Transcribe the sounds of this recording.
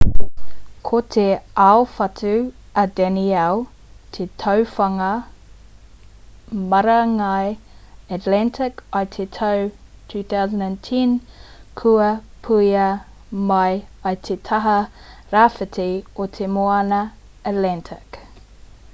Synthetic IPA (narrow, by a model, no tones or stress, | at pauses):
kʰot̪ʰeaofɐtʰʉ | ɐdɛniɛl | tʰetʰɐwfɐŋɐ | mɐɾɐŋɐjɐtlɛntʰɪkɐjt̪ʰetʰɐw | tʰʉːθawzə̃ndɛntʰinkʰuɐpʰujɐ | mɐjɐjt̪ʰet̪ʰɐɦɐɾafətʰiot̪ʰemoɐnɐː | tlɛntʰɪk